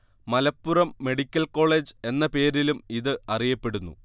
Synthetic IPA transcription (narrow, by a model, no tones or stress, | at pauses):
mɐlɐpːurɐmːe̞ɽikʲːɐlko̞ːɭe̞ːd͡ʑɨe̞nːɐpe̞ːɾilumiðɨɐrijɐpːe̞ɽunːṵ